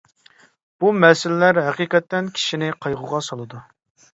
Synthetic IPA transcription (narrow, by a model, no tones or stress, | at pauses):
b̥umɛsɪlɪlæɾɦæqiːqɛt̪ːɛnkʲʰi̥ʃinɪqʰɑjʁʊʁɑsɑlˠɨd̪u